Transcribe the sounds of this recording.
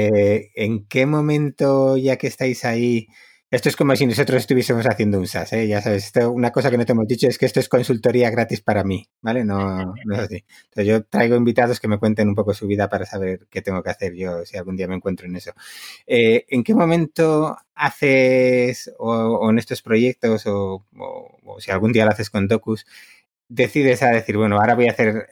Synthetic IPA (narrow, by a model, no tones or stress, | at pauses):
eŋke̞mõ̞mẽnt̪o̞ʝake̞st̪ajsai | est̪oe̞sko̞mo̞sino̞sot̪ɾo̞se̞st̪uβje̞semo̞saθje̞nd̪ounsase̞ʝasaβe̞s̬est̪ounako̞s̬akenot̪eemo̞zðit͡ʃo̞e̞skeest̪oe̞sko̞nsult̪o̞ɾiaɣ̞ɾat̪ispaɾami | bale̞no̞no̞e̞sasi | nt̪oθezʝo̞t̪ɾajɣ̞o̞imbit̪að̞o̞ske̞mekwe̞nt̪e̞nũmpo̞kosuβ̞iðapaɾasaβ̞e̞ɾke̞t̪e̞ŋɡo̞keaθe̞ɾʝo̞sialɣund̪iamẽ̞ŋkwe̞nt̪ɾoene̞so̞e̞eŋke̞mõ̞mẽnt̪o̞aθe̞soːene̞st̪o̞spɾo̞ʝe̞k̚t̪o̞so̞o̰ | o̰sialɣ̞und̪ialoaθe̞sko̞nd̪o̞kus | d̪e̞θiðe̞saðe̞θiɾβwe̞noaɾaβo̞jaθe̞ɾ